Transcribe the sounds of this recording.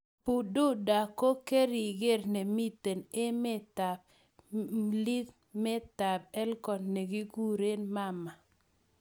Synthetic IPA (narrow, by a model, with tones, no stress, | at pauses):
pu˨du˦da˨ko˦ke˦ɾi˨ɡe˦˨ɾne˨mi˦te˨ne˦me˦ta˨b | li˦ | me˦ta˨bɛ˦lkɔ˨nne˨ɡi˦ɡu˦ɾe˦nma˦˨ma˨